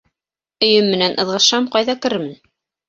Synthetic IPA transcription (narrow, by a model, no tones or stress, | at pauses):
ɵ̆jɵmːɘ̆nænʔɤ̆ðʁɤ̆ʃɑmqɑjðɑkɘ̆ɾmɘ̆n